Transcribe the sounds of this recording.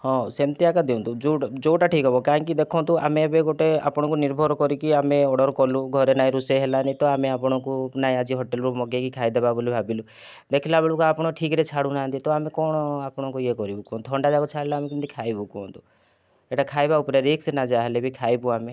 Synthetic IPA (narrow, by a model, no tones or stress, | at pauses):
hɔ̃semt̪iakad̪eũnt̪ud͡ʒoʈd͡ʒoʈaʈʰikɦɔbɔkaɦĩŋkid̪ekʰɔ̃nt̪ua̰mẽbeɡoʈea̰pɔɽ̃ɔkuniɾbʱɔɾɔkɔɾikiameɔɽɔɾkɔlũɡʱɔɾenaĩɾuseɦelanit̪ɔameapɔɽ̃ɔ̃kunaĩad͡ʒiɦɔʈelɾumɔɡekikʰaid̪ebabolibʱabilu | d̪ekʰilabeɭukuapɔɽ̃ɔʈʰikɾet͡ʃʰaɽũnant̪it̪ɔamekɔɽ̃ɔapɔɽ̃ɔ̃kujekɔɾibukɔnt̪ʰɔɳɖad͡ʒakɔt͡ʃʰaɽilaːmekint̪ikʰajbukɔnt̪u | eʈakʰajbaupɾeɾiksenad͡ʒaɦlebʱikʰajbuame